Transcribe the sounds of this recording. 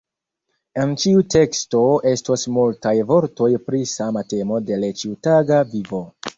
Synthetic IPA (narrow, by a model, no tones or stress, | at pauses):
e̞nt͡ʃiute̞ksto̞e̞stosmultajvo̞ɾto̞jpɾisamate̞mo̞de̞let͡ʃiutaɡavivo̞